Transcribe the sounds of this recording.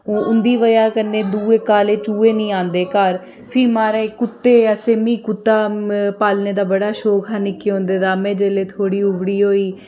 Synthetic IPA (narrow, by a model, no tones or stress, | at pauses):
oːʔʊnd̪iːʋəjaːkənːeːd̪uːeːkaːleːt͡ʃuːeːnĩːãːnd̪eːkəɾ | pʰiːmaːɾekʊt̪ːeːəseːmĩːkʊt̪ːaːpaːlneːd̪aːbəɽaːʃoːkʰanɪkːeːõːnd̪eːd̪aːmɛ̃ːd͡ʒeːleːt̪ʰoːɽiːʊʋɽiːɦoːiː